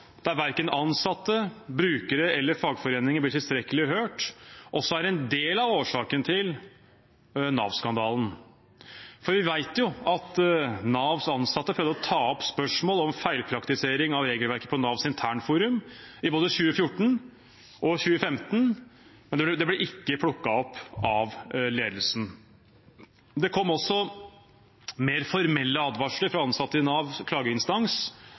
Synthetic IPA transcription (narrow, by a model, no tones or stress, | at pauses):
d̪̥æɾʋæɾkənɑnsɑt̪ːəbɾʉːkəɾəɛlːəɾfɑːɡfɔɾeːnɪŋəblɪʈɪlst̪ɾɛkəlɪɦøːʈʔɔsːɔæɾɛnd̪eːlɑʋoːʂɑːkənt̪ʰɪl | nɑ̰ːʋskɑnd̪ɑːln̩ | fɔɾʋɪʋæɪt̪jʊɑt̪nɑːʋsɑnsɑt̪ːəpʰɾœːʋd̪əɾɔt̪ʰɑːɔpspœʂmoːlɔmfæɪlpʰɾɑkt̪ɪseːɾɪŋɑʋɾeːɡəlʋæɾkə̥pʰɔnɑːʋsɪnt̪ʰæːɳfuːɾʉmɪboːd̪əɕʉːəfjʊʈːɳ̩ | ʔɔɕʉːəfɛmt̪n̩mɛnd̪ɛɛd̪ɛblɛʔɪkːəpʰɽʊkːɑɔpːɑʋleːd̪əl̩sn̩ | d̪ɛkʰɔmːɔsːɔ | meːɾfɔɾmɛlːəɑd̪ʋɑʂɭɪfɾɑɑnsɑt̪ːəɪnɑːʋkʰlɑːɡəɪnst̪ɑŋs